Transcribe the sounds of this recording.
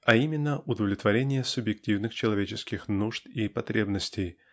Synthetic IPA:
ɐimʲɪnːəʔʊd̪əvlʲɪt̪vɐɾʲenʲɪjəsʊbjɪk̚tʲivnɨxt͡ɕɪlˠɐvʲet͡ɕɪskʲɪxnuʐt̪ipɐt̪ɾʲebnəsʲtʲɪj

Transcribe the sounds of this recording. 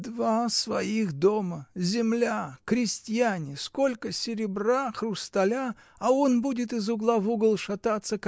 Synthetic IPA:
d̪vasvɐixd̪o̞məzʲɪmlʲakɾʲɪsʲtʲjanʲɪsko̞lʲkəsʲɪɾʲɪbraxrʊst̪ɐlʲaː | onbudʲɪt̪ɨzʊɡlˠavuɡəlˠʂɐt̪at̪sːək

